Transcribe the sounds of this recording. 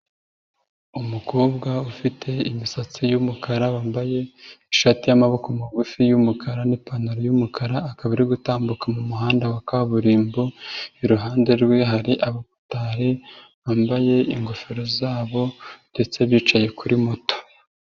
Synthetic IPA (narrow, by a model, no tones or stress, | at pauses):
umuko̞ːbɡaufitʰe̞imisat͡sijumukaɾawaːmbaje̞iʃatijamaβo̞komaɡufijumukʰaɾanipanoɾojumukʰaɾaːkaβiɾiɡutaːmbukamumuɦaːndawakaβuɾiːmboiɾuɦaːnde̞ɾɡweɦaɾiʔaβoku̥taːɾi | waːmbaje̞iŋɡo̞feɾozaːβo̞nde̞t͡se̞βjiːt͡ʃaje̞kuɾʔimoto̥